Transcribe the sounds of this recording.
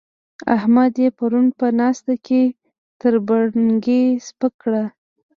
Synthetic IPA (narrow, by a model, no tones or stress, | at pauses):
a̰hmad̪jepaɾunpənɑst̪akʰe | t̪əɾbaɽŋɡespəkɽa